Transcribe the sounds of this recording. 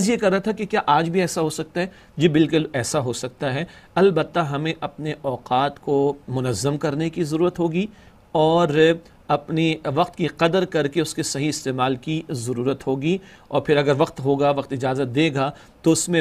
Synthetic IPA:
zjekɐɾːaɦat̪ʰakekjaːʔaːd͡ʒbʱiɛːsaɦosɐk̚t̪aɦɛ | d͡ʒebɪlkʊlɛːsaɦosɐk̚t̪aɦɛːɐlbət̪ːaɦɐmẽʔɐpneʔɔːqaːt̪komʊnəzːəmkɐɾnekizɐɾuːɾət̪ɦoːɡi | ɔːɾ | ɐpniʋɐqt̪kiqɐd̪əɾkɐɾkeʊskesɐɦiɪst̪eːmaːlkizɐɾuːɾət̪ɦoːɡiɔ̰ːɾpʰɪɾɐɡəɾʋɐqt̪ɦoːɡaʋɐqt̪ɪd͡ʒaːzət̪̚d̪eːɡa | t̪oʊsmẽ

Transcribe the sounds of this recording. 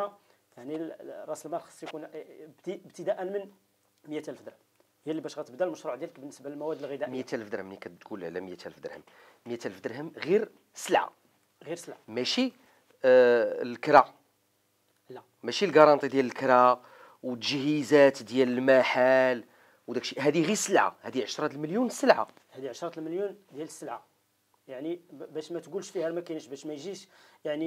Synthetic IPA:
aʕnirˤɑsəlmæɾxɑ̥sˤjkunbt̪iəbt̪əd̪æʔənmən | məjæt̪ælfd̪əɾhə | həjælːibæʃɣæt̪əbd̪ælməʃɾuʕd̪jæləkbənːəsbaləlmæwæd̪ːəlɣid̪æmjæt̪æləfd̪ɾhəmnikæt̪kulʕlæməjæt̪æləfd̪əɾhəm | məjæt̪æləfd̪əɾhəmɣiɾ | səlʕa̰ | ɣiɾsəlʕamæʃi | lkɾɑ | læ | mæʃilɡɑɾˤɑnt̪ˤid̪jæləlkɾɑ | wət̪ːəʒhizæt̪d̪jæləlmæħal | wd̪ækʃiɦæd̪iɣiɾsəlʕa̰hæd̪iʕəʃɾˤɑt̪əlməljunsːəlʕa̰ | hæd̪iʕəʃɾˤɑt̪əlməljund̪jæləsːəlʕa | jaʕnibæʃmæt̪ɡulʃfihælmækinəʃbæʃmæjʒiʃjaʕni

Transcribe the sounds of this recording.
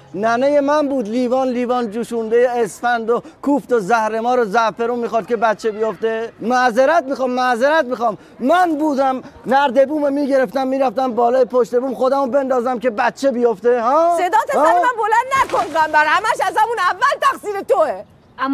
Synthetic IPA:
nænejemænbuːd̪liːvɒːnliːvɒːnd͡ʒuːʃund̪ejeesfænd̪okʰuːft̪ozæhɾe̞mɒːɾozæfe̞ɾuːmːiːxɔːd̪̚kʲe̞bæt̪t͡ʃʰe̞bijoft̪emæzeɾæt̪̚mixɑːmːæzeɾæt̪̚miːxɒːmː | ænbuːd̪æmnæɾd̪e̞buːmemiːɟe̞ɾeft̪æmːiːɾæft̪æmbɒːlɒːjepʰoʃt̪e̞buːmxo̞d̪æmobe̞nd̪ɒːzæmke̞bæt̪t͡ʃʰːe̞bijo̞ft̪ehɒːssed̪ɒːt̪ʰesæɾemænbolænd̪nækonχæmbæɾhæmæʃæzhæmunævːælt̪æxsiːɾet̪oe

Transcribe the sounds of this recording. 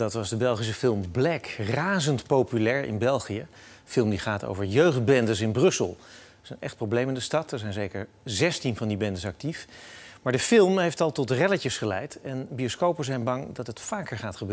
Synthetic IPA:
dɑtʋɑzdəbɛlˠχis̬əfɪlˠmblɛkraːzəntpowpylɛːɹɪ̰nbɛlˠχijəfɪlˠmdiχaːto̰wvəɹjøɥχd̚bɛndəsɪnbrɵsəlˠ | sənɛ̰χt̚prowblejməndəstɑtəɹzɛjnzejkəɹ | zɛstinvɑndibɛndəsɑk̚tifmaːɹdəfɪlˠmɦejftɑlˠtɔtrɛləcəsχəlɛjtɛnbioskowpəzɛjnbɑŋdɑtɦətfaːkəɹχaːtχəbøːə

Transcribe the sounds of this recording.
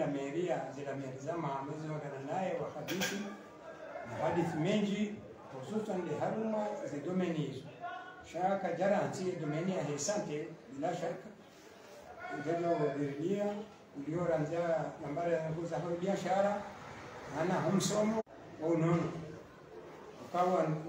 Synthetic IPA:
ameɾiaziɾamɛɾizamamɛziɔɡananajɛwaxadisi | naɦadiθimɛɲd͡ʒi | pozusandɛɦaɾumaziɡɔmɛnizaʃakaɟaɾanziɛɡɔmeniaɦɛsantɛbilaʃakḁ | ad͡ʒanauwaɡɛɾinia | uliɔɾanzianambaɾaŋkuzaɦaibiaʃaɾa | hanaɦum̩sɔmɔ | waunɔnɔ | wakawa

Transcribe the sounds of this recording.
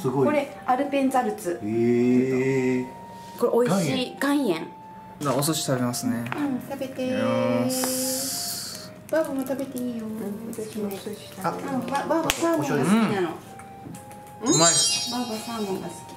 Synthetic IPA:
sɨɡoiko̞ɾe̞ | aɾɯ̟pẽ̞nt͡saɾɯ̟t͡sɨe | koɾeʔoiiɡãɰ̃jẽŋ | d̪aos̬oɕi̥t̪abemasɨne̞ãt̪abet̪e | b̥abomot̪abe̞t̪eiːjoβat̪aɕimoosoɕi̥t̪aβababasãbõsinano | ɯ̃mabaβasãːmõŋɡasɨ̥kʲi̥

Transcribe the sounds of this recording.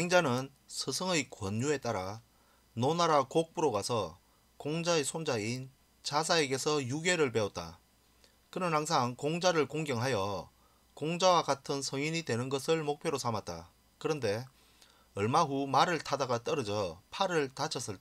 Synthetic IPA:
eŋd͡ʑanɯn | sʰɯsʰɯŋɯjkwʌɲːue̞t͈aɾa | nonaɾakok̚p͈uɾoɡasʰʌ | koŋd͡ʑaesʰond͡ʑain | t͡ɕasʰae̞ɡe̞sʰʌjuɡe̞ɾɯɭpe̞ot̚t͈a̰ | kɯnɯnhaŋs̬ʰaŋkoŋd͡ʑaɾɯɭkoŋɡjʌŋɦajʌ | koŋd͡ʑawaɡatʰɯnsʰʌŋiɲitwe̞nɯnɡʌsʰɯɭmok̚pʰjoɾosʰamat̚t͈a̰ | kɯɾʌnde̞ | ʌɭmaɦumaɾɯɭtʰadaɡat͈ʌɾʌd͡ʑʌpʰaɾɯɭtat͡ɕʰʌs͈ɯɭt͈

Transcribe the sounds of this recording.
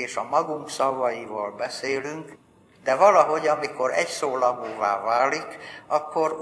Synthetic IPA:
eːʃɒmɒɡuŋksɒvɒjivɒlbɛseːlyŋk | d̪ɛvɒlɒɦo̞ɟɒmiko̞ɾɛcsoːlɒɡoːva̰ːvaːlikɒkːoɾ

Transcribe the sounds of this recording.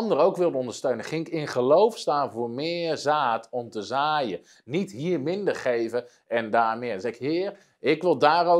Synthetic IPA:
ndəɾowkʋɪlˠdəɔndərstøɥnəχɪŋɪkɪnχəlowfstaːnvoːmɪːərzaːtʰɔmtəzaːjə | nithiːrmɪndərχejvə | ɛndaːmɪənzɛkhɪːər | ɪkʋɪlˠdaːro

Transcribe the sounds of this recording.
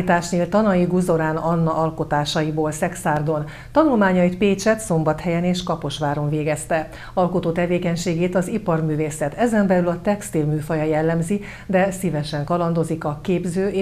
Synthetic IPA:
it̪aːʃneːlt̪ɒnɒjiɡuzo̞ɾaːnɒnːɒʔɒlko̞t̪aːʃɒjiboːlsɛksaːrd̪o̞n | t̪ɒnulmaːɲɒjit̪peːt͡ʃɛt̪so̞mbɒt̪hɛjɛneːʃkɒpo̞ʃʋaːɾo̞ɱveːɡɛst̪ɛ | ɒlko̞t̪oːt̪ɛveːkɛɲʃeːɡeːt̪ɒzipɒrmyːveːsɛt̪ɛzɛmbɛlylɒt̪ɛkst̪ilmyːfɒjɒjɛlːɛmzi | d̪ɛsivɛʃɛŋkɒlɒnd̪o̞zikɒkeːbzøː

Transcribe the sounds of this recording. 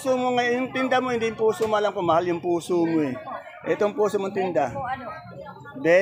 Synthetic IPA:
somoŋajʊŋt̪ɪnd̪amo̞hɪnd̪ijʊmpuːsomoʔɐlamkomɐhaljʊŋpuːsomoɛ | ʔɛt̪oŋpuːsomoŋt̪ɪnd̪a | bɛ

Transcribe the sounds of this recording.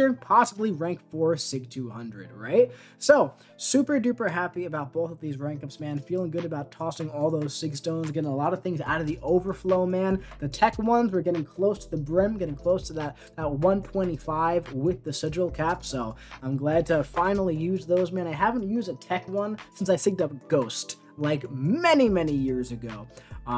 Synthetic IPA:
ə˞pʰɑsəbliɹæ̃ŋkfɔɹsɪktʰʉhʌ̃ndɹɨ̰d̚ɹa̰ɪt̚ | soʊ | sʉpə˞dʉpə˞ɦæpiɨbaʊt̚b̥oʊθʌvðizɹæ̃ŋkʌpsmæ̃nfilˠɪ̃ŋɡʊɾɨbaʊtʰɔsɪ̃ŋɔlˠðoʊz̥sɪɡstõʊ̃nzɡɛɾɪ̃ŋəlɔɾʌv̥θɪ̃ŋza̰ʊɾʌvðiʔoʊvə˞floʊmæ̃nðɨtʰɛkwʌ̃nzwə˞ɡɛɾɪ̃ŋkʰl̥oʊstʰəðəbɹɪ̃mɡɛɾɪ̃ŋkʰl̥oʊstʰəðət̪̚ðət̚wʌ̃ntʰw̥ɛ̃ɾ̃ifaɪvwɪðɨsɛd͡ʒl̩ˠkʰæpsoʊãɪ̃mɡlæd̚tʰɨfãɪ̃nl̩ˠijʉzðoʊzmɛ̃ñaɪɦævə̃n̩tjʉzdɨtʰɛkwʌ̃nsɪ̃nsaɪsɪɡ̚dʌp̚ɡ̥oʊst | laɪkmɛnimɛnijɪɹzɨɡoʊ

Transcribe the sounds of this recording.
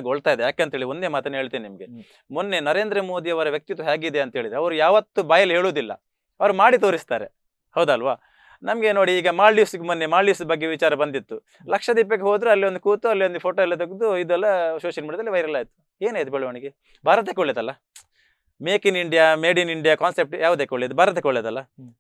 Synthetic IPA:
ɡoɭt̪aːjd̪ejaːkeɐnt̪ɦeɭiond̪e̞ːmaːt̪ɐnːɐɦe̞ːɭt̪iːninimɐɡe̞ | monːe̞nɐɾe̞ːnd̪ɾɐmo̞ːd̪ijɐʋɐɾɐʋjɐk̚t̪it̪ʋɐɦaːɡid̪e̞ɐnt̪ɐɦeːɭid̪ɾeɐʋɐɾujaːʋɐt̪ːubaːjɐlːiɦe̞ːɭoːd̪ilːɐ̰ | ɐʋɐɾumaːɽit̪oːɾist̪aːɾe | hɐwd̪ɐlʋaː | nɐmɐɡe̞noːɽiːɡɐmaːlɖiːsɡemnːemaːlɖiːsbɐɡːeʋit͡ʃaːɾɐbɐnd̪it̪ːu | lɐkʂɐd̪iːp̬ːɐkːeɦoːd̪ɾuɐlːiond̪ukuːt̪uɐlːiʋond̪upʰo̞ːʈoːɛlːɐt̪oɡd̪uid̪uɛlːɐʃoːʃɐlmiːɽjɐd̪ɐliʋɐjɾɐlaːjt̪ːu̥ | e̞ːnaːjit̪ubɛɭɐʋɐɳiɡe | bʱaːɾɐt̪̬ekoɭeːd̪ɐlːɐ | meːkiniɳɖijaːmeːɖiniɳɖijaːkaːnsep̚ʈjʔaːʋud̪eːkoɭed̪ubʱaːɾɐt̪ekoɭeːd̪ɐlːɐ

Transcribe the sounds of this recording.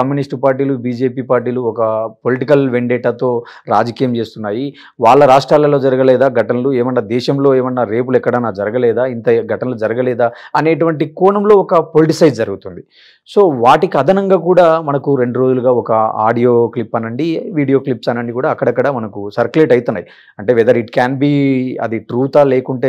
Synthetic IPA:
ɐmjunisʈpaːɾʈ̬iːlubiːd͡ʒe̞ːpiːpaːɾʈiːluɔkɐpo̞liʈikɐlʋeɳɖeːʈaːt̪o̞ː | ɾaːd͡ʒɐkiːjɐmt͡ʃe̞ːst̪unːaːji | ʋaːɭːɐɾaːʂʈɾaːlːɐlo̞ːd͡ʒɐɾɐɡɐlɛːd̪aːɡʱɐʈɐnɐlueːmɐnːaːd̪ɛːʃɐmlo̞ːeːʋɐnːaːɾeːp̬ulɛkːɐɽaːnaːd͡ʒɐɾɐɡɐlɛːd̪aːint̪ɐɡʱɐʈɐnɐlud͡ʒɐɾɐɡɐlɛːd̪aːɐne̞ːʈ̬uʋɐɳʈikuːɳɐmlo̞ːɔkɐpo̞liʈisɐjɖ̚d͡ʒɐɾuɡut̪und̪i | so̞ːʋaːʈikiɐd̪ʱɐnɐŋɡaːkuːɽaːmɐnɐkuɾe̞ɳɖuɾoːd͡ʒuluɡaːɔkɐa̰ːɖijo̞ːklipːɐnːɐɳɖiʋiːɽijo̞ːklipsɐnɐɳɖikuːɽaːkːɐɽɐkːɐɽaːmɐnɐkusɐɾkuleːʈɐjt̪unːaːji | ɐɳʈe̞ːʋɛːd̪ɐɾiʈkaːnbiːɐ̰d̪iʈɾuːt̪aːleːkuɳʈe̞ː

